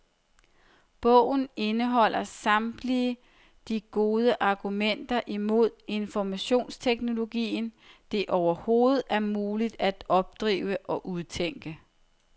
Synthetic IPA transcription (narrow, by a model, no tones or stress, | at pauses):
b̥ɔ̽ʊ̰n̩e̝nəɦɒ̽l̰ɐsɑ̈md̥liə | d̥iɡ̥o̝ːð̞ˠəʔɑ̈ɡ̥umen̰d̥ɐʔimo̝ð̞̰ˠe̝nfɒmæɕo̝̰ːnst͡sʰeɡ̥no̝lo̝ɡ̥ḭːn | d̥e̝ʔɒʊɐho̝ːð̩ˠæɐmuːlid̥æd̥ɒ̽b̥̚d̥ʁḭːʊəʔɒ̽ʔuðˠt͡sʰeŋ̰ɡ̥ə